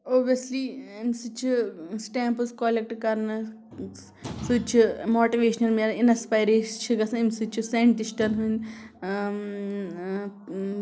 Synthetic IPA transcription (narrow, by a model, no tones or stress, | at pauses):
oːbijɐsliːimsɨt͡ʃʰisʈɛːmpɨskoːlek̚ʈkɐɾnɨ | sɨt͡ʃʰimoːʈiʋeːʃɐnɐlmeɾinɐspajɾeːt͡ʃʰiɡɐsɐ̃imsɨt͡ʃʰiseɳʈisʈɐnɦunʲ